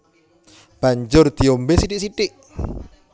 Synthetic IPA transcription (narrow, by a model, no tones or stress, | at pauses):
b̥aɲd͡ʒʊrd̪̥iombesiɖiʔsiɖɪʔ